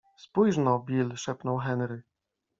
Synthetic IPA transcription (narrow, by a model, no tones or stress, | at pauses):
spujʐnɔbʲilʂɛpnɔwxɛnɾɘ